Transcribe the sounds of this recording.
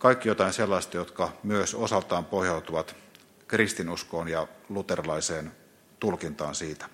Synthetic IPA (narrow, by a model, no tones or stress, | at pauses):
kɑikːijot̪ɑinselːɑist̪ɑjot̪kɑmyøsosɑlt̪ɑːmpohjɑut̪uʋɑt̪ | krist̪inuskoːnjɑlut̪erlɑiseːn | t̪ulkint̪ɑ̰ːnsiːt̪æ̥